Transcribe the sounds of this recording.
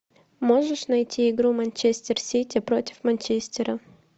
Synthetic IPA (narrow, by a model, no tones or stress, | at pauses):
mo̞ʐɨʂnɐjtʲʰiɪɡɾumɐnʲt͡ɕesʲtʲɪrsʲitʲɪpɾo̞tʲɪ̥fmɐnʲt͡ɕesʲtʲɪɾə